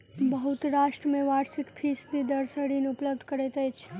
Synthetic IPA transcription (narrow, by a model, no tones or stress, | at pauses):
bəɦut̪ɾaʃʈɾəmeʋaɾsikpʰisd̪id̪əɾsəɽineupləbd̪ʱkəɾɛt̪əjt͡ʃʰ